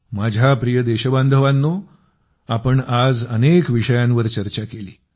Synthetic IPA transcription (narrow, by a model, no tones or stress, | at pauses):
mad͡ʑʱjapɾijəd̪eɕəband̪ʱəʋanːo | apəɳad͡zənekʋiʂəjãnʋəɾt͡ɕəɾt͡ɕakeliː